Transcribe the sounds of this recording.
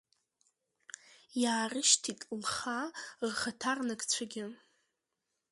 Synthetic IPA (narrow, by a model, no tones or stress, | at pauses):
jaːrɨʃtʰitʼmχarχatʰarnɨkʼt͡ɕʷʰaɡʲɪ